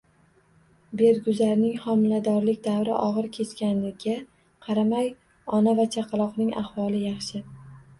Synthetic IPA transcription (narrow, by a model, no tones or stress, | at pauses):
be̞ɾɡʲʊzaɾnɪŋχɒmɪlad̪ɒɾlɪkʲd̪avɾɪ̰ʔɒʁɨɾkʲʰe̞t͡ʃkʲanlɪɡʲa | qʰɑɾamaj | ɒnavat͡ʃʰaqʰɑlˠɒqnɪŋa̰hwɒlˠɪjɑχʃɪ